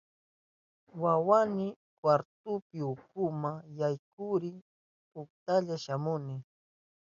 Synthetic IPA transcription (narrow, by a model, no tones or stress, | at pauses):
wawanɪ | kwaɾt̪ʊpɪʊkʊmaŋjajkʊɾɪ | pʊk̚t̪aʎaʃamʊnɪ